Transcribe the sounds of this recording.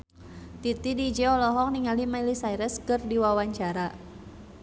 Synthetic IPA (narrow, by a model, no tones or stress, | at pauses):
t̪it̪idid͡ʒɛɔlɔɦɔk̚niŋalimailisaiɾɛskɨrdiwawaɲt͡ʃaɾa